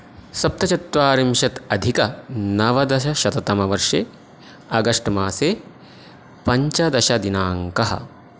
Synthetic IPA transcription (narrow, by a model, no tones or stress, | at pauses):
sɐp̚t̪ɐt͡ʃɐt̪ʋaːɾimʃɐt̪ɐd̪ʱikɐnɐʋɐd̪ɐʃɐʃɐt̪ɐt̪ɐmɐʋɐɾʂeː | ɐɡɐʂʈmaːseː | pɐɲt͡ʃɐd̪ɐʃɐd̪inaːŋkɐɦɐ̰